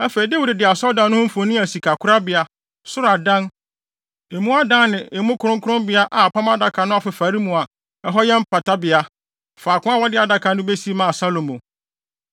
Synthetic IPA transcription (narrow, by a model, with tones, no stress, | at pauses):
æ˦fe˨i˨de˦wu˦dɪ˨dɪ˨a˨sɔ˦dã˨nːʊ̃˦ʊ̃˦m̩˦fo˨nĩ˦æ˨si˨kʰa˨kʰʊ˦ɾa˦bɪ˨a˨ | sʊ˦ɾa˨dã˦n | e˨mũ˦a˦dã˦nɪ̃˨e˨mũ˦kʰʊ˦ɾʊ̃˦ŋ˦kʰʊ˦ɾʊ̃˦bɪ˨˦a˦ʔa˨pʰã˦m˦a˦da˨kʰa˨nʊ̃˦a˨fɪ˨fa˨˦ɾi˦mũ˨a˨ | ɛ˦ɦɔ˦jɛ˦m̩˦pʰa˨tʰa˦bɪ˨a˦ | faː˨kʰʊ̃˦a˦wɔ˦dɪ˦a˨da˨kʰa˨nʊ̃˦be˦si˦mã˨sa˦lo˨mõ˨